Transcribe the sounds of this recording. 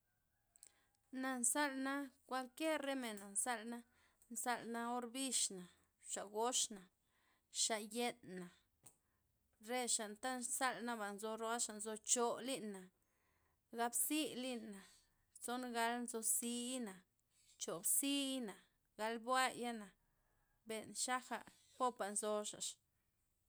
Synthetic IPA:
na˨nsa˦lna˦kʷa˧lkje˦ɾːe˦me˨na˨nsa˦lna˦ | nsa˧lna˦o˦ɾbi˦ʃna˨ | ʃa˨ɡo˦ʂna˨ | ʃa˧ʔje˦nːa˨ | ɾe˦ʃa˨nt̪a˦nsa˦lna˦ba˨nzo˧ɾo˧a˦ʃa˨nzo˧t͡ʃo˧li˦nːa˨ | ɡa˧bsi˦li˦nːa˨ | t͡so˦nɡa˧lnzo˧si˧˦na˨ | t͡ʃo˨bsi˦na˨ | ɡa˧lbwa˦ja˦na˨ | be˨nʃa˦xa̰˨ | po˦pa˨nzo˧ʂa̰˨ʔʃ

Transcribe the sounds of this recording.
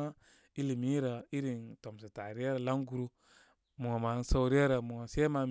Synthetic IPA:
a˦ | i˦li˨mi˦ɾa˨i˦ɾi˨nto˨ms̬a˨ta˨ɾi˦a˦ɾa˨la˦ŋɡu˦ɾu˦ | mu˨ŋa˨ma˨˦sa˦wɾi˦a˦ɾa˨mu˨ŋa˨se˦ma˨

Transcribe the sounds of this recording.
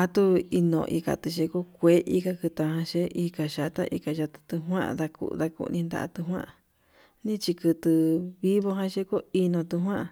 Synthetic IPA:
a˧t̪u˦i˧nõ̰˧˨˧ʔḭ˧ka̰˨t̪ɨ˧ʃe˧ko˦kʷe˨˦ʔi˧ka˧kɨ˧t̪ã˧hã˧ʃe˦i˧ka˨ʃa˨t̪a̰˦ʔḭ˧ka˧ʒa˧t̪ɨ̥˧t̪u˧ɦwã̰˦ʔða˧kṵ˧˨˧ða˧kṵ˧nĩ˧nd̪a̰˧ʔa̰˧t̪ɨ˧ɦwã̰˦ʔa˧˨ | nĩ˦t͡ʃi˧kɨ˧t̪ɨ˧βi˦βo˧ɦã˧ʃe˦ko˦i˧nõ˧t̪u˧ɦwã˦ʔ

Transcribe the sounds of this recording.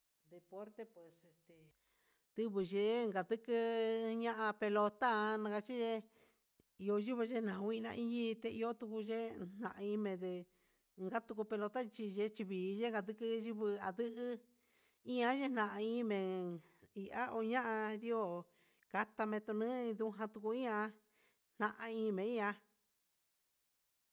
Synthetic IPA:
d̪e˧po˦ɾt̪e˦pwe˨se˨st̪e˨ | d̪̥ɨ˦βɨ˨ʒe˧˦ŋɡa˨d̪ɨ˦kɨ˧ɲã˦ʔã˧pe˧lo˧t̪a˦˧nã˧ɡa˧t͡ʃi˦ʒe˦ | i˧o˧ʒu˦βɨ˧ʒe˦nã˨˧wʷi˦˧nã̰˧ʔĩ˧ɲĩ˦t̪e˧ʔi˧o˦t̪u˧ku˧ʒe˦n̥nã˨ʔa˧ĩ˧˦mẽ˧d̪e˧ | ŋɡa˦t̪u˧ku˧pe˧lo˧t̪a˦˧t͡ʃi˧ʒe˧t͡ʃi˧βiː˨˦ʒe˦ŋɡa˧d̪ɨ˦kɨ˦ʒi˦βɨ˧a˨d̪ɨ˦ʔɨ˦ | ĩ˦ã˧˦ʒe˦nã˨ʔa˧ĩ˦˧mẽ˨ | i˨ʔa˦ʔo˧ɲã˦ʔã˧ði˦o˦˨ | ka˧t̪a˧mẽ˧t̪u˧nɨ̃˦ĩ˧ðu˦ɦã˧t̪u˧ku˧ĩ˦ã˧ | n̥nã˧ʔã˧ĩː˧˦˧mẽ˨ĩ˦ã˧

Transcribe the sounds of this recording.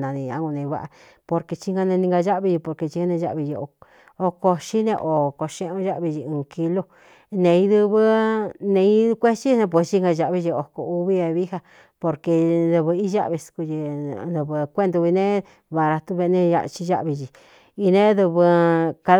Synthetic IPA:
nã˧nĩ˧ã̰˧˦ɡu˧nẽ˧βa̰˦ʔa̰˧ | po˧ɾke˧t͡ʃi˧ŋɡã˧nẽ˧nĩ˧ŋɡa˧ʒa˦ʔβi˧ʒi˧po˧ɾke˧t͡ʃi˧a˦˧nẽ˧ʒa̰˦˧ʔβi˧ʒi˧o˧ | o˧ko˧ʃi˦nḛ̃˧ʔo˨ko˧ʃẽ˧ʔũ˧˦ʒa˦ʔβi˧ʒi˧ũː˨˧ki˧lo˧ | nẽ˨˧ĩ˧˦ðɨ˧βɨ˦nẽ˧i˦kʷe˦t͡ʃi˦˧nẽ˧p̬we˧st͡ʃi˦ŋɡa˧ʒa˧ʔβi˧ʒi˧o˨ko˧u˧βi˦a˧βi˦ha˧ | po˧ɾke˧nd̪ɨ˧βɨ˧i˦ʒa̰˦ʔβi˧sku˧ʒi˧d̪ɨ˧βɨ˧kʷe˦nd̪u˧βi˧nẽ˦ | βa˧ɾa˧t̪u˦βe˧nẽ˦˧a̰˧t͡ʃi˧ʒa̰˦ʔβi˧ʒi˧ | i˧nẽ˦ðɨ˧βɨ˧ka˧

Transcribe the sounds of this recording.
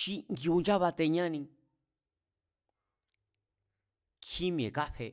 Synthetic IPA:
ʃi˦ŋɡju˧nd͡ʒa˦βa˧t̪e˧ɲã˦˧nĩ˧ | kʰi˦mĩ˨e˨ka˦ɸe˧

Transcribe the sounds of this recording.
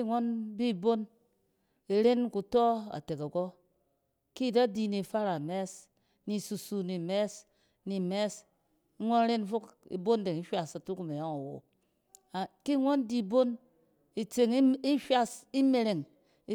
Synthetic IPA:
i˦˨ŋo˦nbi˦˨bo˦n | e˨ɾe˦nku˨to˦a̰˨te˨ka˨ɡo˦ | ki˦˨da˦di˨ni˨fa˦ɾa˨me˦s | ni˨su˨su˨ni˨me˦s | ni˨me˦s | ŋʷo˦n˦ɾe˦n˦fu˦kḭ˨bo˦n˦de˨ŋi˦ʃʷa˨sa˨tu˦ku˨me˨ja˦ŋa˨wo̰˨ | a˨ki˦˨ŋʷo˦n˦di˦˨bo˦n | i˨t͡se˨ŋ˦i˦ʃʷa˦si˦me˨ɾe˨ŋ˦

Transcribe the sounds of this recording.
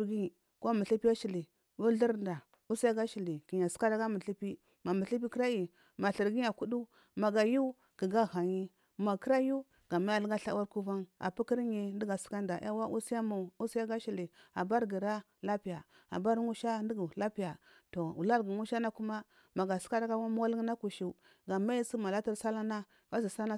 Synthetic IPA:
ɡi˦˨ | ko˦mu˨ɬi˦pi˦a˦ʃi˨li˨ | u˦ɮi˦ɾnda˨ | u˦si˦ja˦ɡa˦ʃi˨li˨ki˨ɲa˨si̥˦ka˦ɾa˦ɡa˦mu˨ɬi˦pi˦ | ma˨mu˨ɬi˦pi˦ki˦ɾa˦i˨ | ma˨ɬi˨ɾɡi˦ɲa˨ku˦du˦ | ma˨ɡa˨ju˦ | ki˨ɡa˦ɣa˨ɲi˦ | ma˨ki˦ɾa˦ju˦ | ɡ̥a˨ma˦ja˨lɡa˦ɬa˦wa˦ɾku˦va˦na̰˨pu˦ki˦ɾi˨ndi˦ɡa˨si̥˦ka˦nda˨˦a˦wa˦ʔu˦si˦ja˦ma˨u˦si˦ja˦ɡa˦ʃi˨li˨a˨ba˦ɾɡi˨ɾa˦ | la˦pi˨ja˨ | a̰˨ba˦ɾŋu˦ʃa˦ndi˦ɡu˨la˦pi˨ja˨ | to˨ṵ˨la˦ɾɡi˨ŋu˦ʃa˦na˦ku˦ma˦ | ma˨ɡa˨si̥˦ka˦da˦ɡa˦wa˦m˦wa˦li˦ŋ˦na˦ku˨ʃi˨ | ɡa˨ma˦ji˦si˦ma˨la˦ta˦ɾsa˦la˦na˦ | va˦zi˨sa˦na˦

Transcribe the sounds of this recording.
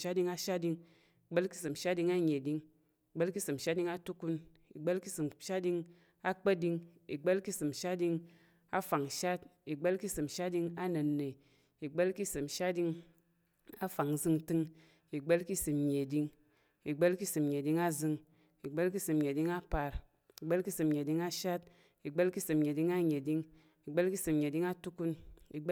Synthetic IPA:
ʃa˦t̚di˧ŋa˦ʃa˦t̚di˧ŋ | i˨ɡ͡bə˦lki˦sɨ˨m˨ʃa˦t̚di˧ŋa˦ɲe˨di˧ŋ | i˨ɡ͡be˦lki˦sɨ˨m˨ʃa˦t̚di˧ŋa˦tu˦ku˧n | i˨ɡ͡bə˦lki˦sɨ˨mʃa˦tdi˧ŋ | a˦k͡pə˦di˧ŋi˨ɡ͡bə˦lki˦sɨ˨mʃa˦tdi˧ŋ | a˦fa˨ŋ˨ʃa˦t̚i˨ɡ͡be˦lki˦sɨ˨mʃa˦t̚di˧ŋa˦nə˨nːe˨ | i˨ɡ͡bə˦lki˦sɨ˨mʃa˦tdi˧ŋ | a˦fa˨ŋ˦zɨ˦ŋ˦tɨ˦ŋ | i˨ɡ͡be˦lki˦sɨ˨mɲe˨di˦ŋ | i˨ɡ͡be˦lki˦sɨ˨mɲe˨di˦ŋa˦zɨ˧ŋ | i˨ɡ͡be˦lki˦sɨ˨mɲe˨di˦ŋa˦pa˨ɾ | i˨ɡ͡be˦lki˦sɨ˨mɲe˨di˦ŋa˦ʃa˦t̚ | i˨ɡ͡be˦lki˦sɨ˨mɲe˨di˦ŋa˦ɲe˨di˦ŋ | i˨ɡ͡be˦lki˦sɨ˨mɲe˨di˦ŋa˦tu˦ku˦ni˨ɡ͡b

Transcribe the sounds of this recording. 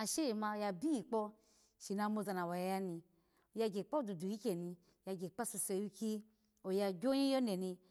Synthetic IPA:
a˨ʃe˦ji˨ma˧˨˧ja˧bi˦i˨k͡pɔ˧ | ʃi˨na˧˦mo˧za˧˨na˨wa˨ja˨˦ja˦ni˧ | o˨ja˧ɡe˨k͡pa˦du˨du˨ji˦kʲe˨ni˧˨ | ja˧ɡe˨k͡pa˦su˧se˧˨ju˧ki˦ | o˨ja˧ɡʲo˦ĩ˦o˦ne˨ni˧

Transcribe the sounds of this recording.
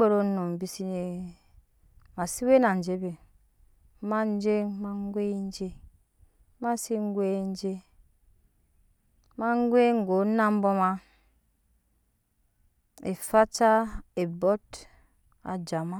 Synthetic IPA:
e˦ɾo˦no˨m˨bi˨si˦ne˨ | ma˨si˦we˦na˨n˨d͡ʒe˦be˨ | ma˦n˦d͡ʒe˦ŋma˦ŋ˦ɡʷe˦i˦n˦d͡ʒe˦ | ma˦si˦ŋ˦ɡʷe˦n˦d͡ʒe˦ | ma˦ŋ˦ɡʷe˦ŋ˨ɡo˨˦na˦m˦bo˦ma˦ | e˨fa˦t͡ʃa˦e˨bo˦t | a̰˨d͡ʒa˨ma˦

